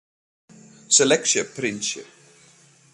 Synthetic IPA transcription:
sɛlɛkʃəpʰɾɪ̃ntʃɪ̰p

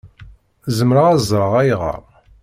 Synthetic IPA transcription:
zəmɾəʁæzˤɾˤəʁæjʁə̰ɾ

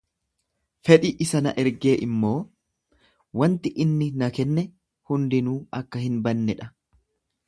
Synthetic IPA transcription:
fɛᶑɪʔɪsɐnɐ̰ʔɛɾɡe̞ːʔɪmːo̞ː | wɐnt̪ɪʔɪnːɪnɐkɛnːɛ | hʊnd̪ɪnuːɐkːɐhɪnbɐnːɛᶑɐ

